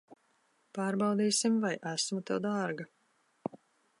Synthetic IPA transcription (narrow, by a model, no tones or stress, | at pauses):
paːɾbɑwd̪iːsimvajʔæsmut̪ɛwd̪aːɾɡa